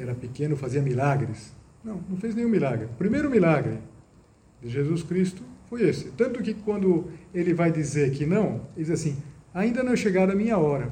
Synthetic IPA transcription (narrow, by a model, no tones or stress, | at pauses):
ɛɾɐpekẽnʊfaziɐmilaɡɾɪs | nɐ̃w̃nɐ̃w̃fejznẽj̃ũmilaɡɾɪʊpɾimejɾʊmilaɡɾɪ | d̪ɪʒezuskɾist̪ʊfojesɪt̪ɐ̃nt̪ʊkɪkwɐ̃nd̪ʊelɪvajd̪izeɾkɪnɐ̃w̃eldɪd̪izasĩaĩnd̪ɐnɐ̃w̃ɛ̃ʃeɡad̪ɐmĩɲɐɔɾɐ